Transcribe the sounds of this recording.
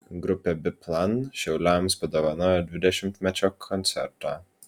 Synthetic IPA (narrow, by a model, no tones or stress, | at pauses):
ɡɾʊpʲeːbʲɪplˠɐnʃʲɛʊlʲɛmspɐd̪oːʋɐnoːjod̪ʲʋʲɪd̪ʲɛʃʲɪmt̪ʲmʲɛt͡ʃʲoːkʰɔnʲt̪sʲɛ̰ɾt̪ɑ̰ː